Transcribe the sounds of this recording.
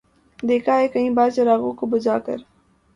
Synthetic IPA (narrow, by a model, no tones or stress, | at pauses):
d̪eːkʰaɦɛkɐɦĩːbaːɾt͡ʃɐɾaːɣõkobɐd͡ʒaːkə̰ɾ